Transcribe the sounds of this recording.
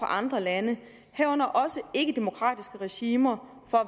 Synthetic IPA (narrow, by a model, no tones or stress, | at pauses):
ɑ̈ʔɑ̈nd̥ʁɐlænə | hɛʊnɐʔɒ̽səe̝ɡ̥əd̥e̝mo̝kʰʁɑ̰ːd̥isɡ̥əʁɛɕiːmɐ | fɒ̽